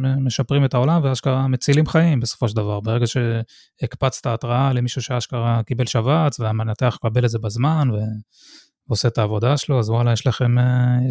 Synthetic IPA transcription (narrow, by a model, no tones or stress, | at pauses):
me̞ʃapʁimet̪ao̞lamveaʃkaʁame̞t͡silimχaimbe̞sofo̞ʃ̬eld̪avaʁbeʁe̞ɡaʃe̞ | ikpat͡st̪aːtʁaale̞miʃuʃeaʃkaʁakibe̞lʃavat͡sveamnat̪eaχkabe̞letzebazmanve̞ | oset̪aːvo̞d̪aʃeloazwalajeʃlaχe̞me